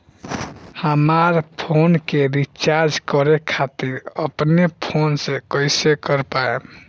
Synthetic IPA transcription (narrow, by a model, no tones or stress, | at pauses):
həmaɾpʰonkeɾit͡ʃaɾd͡ʒkɔɾekʰat̪iɾəpnepʰonsẽkəɪsekəɾpae